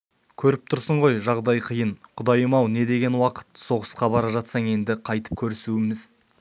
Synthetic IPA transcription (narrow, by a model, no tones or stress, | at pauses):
kʲʰɵɾɪp̚t̪ʰʊɾsəɴʁo̞jʒɑʁd̪ɑjqʰəjənqʰʊd̪ɑjəmɑwne̞d̪e̞ɡʲe̞nwɑqə̥t̪so̞ʁəsqɑbɑɾɑʒɑt̪sɑɴe̞nd̪ɪqʰɑjt̪ə̥p̚kʲʰɵɾɪsuɪmɪz̥